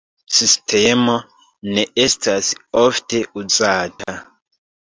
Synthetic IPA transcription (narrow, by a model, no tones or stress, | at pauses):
sistʰe̞mo̞ | ne̞ʔe̞stʰasofte̞ʔuzaːta